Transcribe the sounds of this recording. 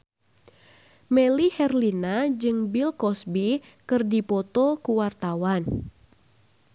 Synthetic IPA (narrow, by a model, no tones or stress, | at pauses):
mɛlihɛrlinad͡ʒɨŋbilkɔsbi | kɨrdipɔt̪ɔkuwart̪awan